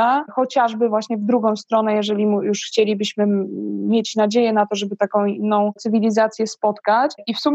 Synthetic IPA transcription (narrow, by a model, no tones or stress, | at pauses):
axɔt͡ɕaʐbɘvwaɕɲɛvd̪ɾuɡɔ̃w̃st̪ɾɔnɛjɛʐɛlʲimujuʂxt͡ɕelʲibɘɕmɘmʲjet͡ɕnad͡ʑejɛnat̪ɔʐɛbɘt̪akɔ̃w̃inːɔ̃w̃t̪sɘvʲilʲizat̪sʲjɛspɔt̪kat͡ɕʔifsumʲ